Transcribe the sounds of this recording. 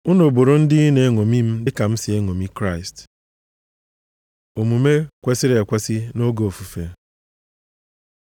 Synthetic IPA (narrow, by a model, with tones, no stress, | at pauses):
ʊ˦no˨bo˨ɾo˦n̩˦dɪ˦i˦ne˨˦ŋo˨mi˦m̩˦dɪ˦ka˨m̩˦sɪ˨e˦ŋo˨mi˦kɾa˦˨ɪ˨st | o˨mu˨me˦kʷe˦sɪ˦ɾe˨kʷe˦sɪ˦no˦ɡo˨o˨fu˨fe˨